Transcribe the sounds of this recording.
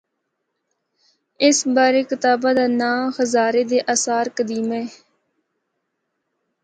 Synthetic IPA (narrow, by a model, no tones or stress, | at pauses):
ɪsbaːɾeːkɪt̪aːbaːd̪aːnãːxəzaːɾeːd̪eːʔaːsaːɾkəd̪iːmeː